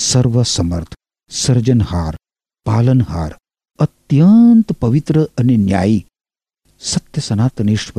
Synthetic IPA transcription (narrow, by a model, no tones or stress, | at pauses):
sɐɾʋɐsɐmɐɾt̪ʰ | sɐɾd͡ʒɐnhaːɾ | paːlɐnɦa̰ːɾ | ɐt̪jɐnt̪pɐʋit̪ɾəɐnenja̰ːji | sɐt̪jɐsɐnaːt̪ɐniʂʈʋɐ